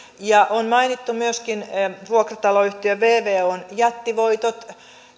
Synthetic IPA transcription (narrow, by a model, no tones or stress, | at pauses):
jɑʔonmɑinit̪ːumyøskinʋuokrɑt̪ɑloyht̪iøʋeːʋeːonjɑt̪ːiʋoit̪ot̪